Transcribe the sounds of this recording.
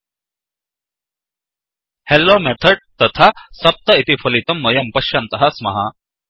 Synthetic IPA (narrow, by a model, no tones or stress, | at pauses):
helːomɛt̪ʰɐɖ̚t̪ɐt̪ʰasɐp̚t̪ɐit̪ifʰɐlit̪ɐmːɐjɐmpɐʃjɐnt̪ɐɦɐsmɐ̰ɦa